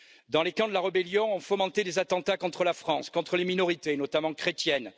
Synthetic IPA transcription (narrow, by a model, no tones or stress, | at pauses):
d̪ɑ̃lekɑ̃d̪əlaʁəbɛljɔ̃ɔ̃fomɑ̃t̪ed̪ezat̪ɑ̃t̪akɔ̃t̪χəlafχɑ̃skɔ̃t̪χəleminɔʁit̪enɔt̪amɑ̃kχet̪jɛn